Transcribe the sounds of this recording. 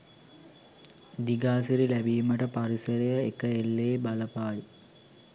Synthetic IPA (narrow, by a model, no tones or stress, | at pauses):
d̪iɡaːsiɾilæbiːməʈəpaɾisɐɾejəekəelːeːbɐləpaːji